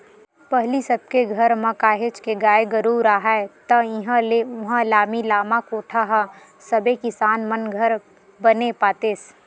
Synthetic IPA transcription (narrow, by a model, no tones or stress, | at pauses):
pəɦlisəb̚keɡʱɐɾmɐ̃kaːɦet͡ʃkeɡaːeɡəɾuːɾaːɦaet̪ɐɪɦãleʊɦãlaːmilaːmakoːʈʰaɦa | sɐbekɪsaːnmənɡʱəɾ | bənepaːt̪eːs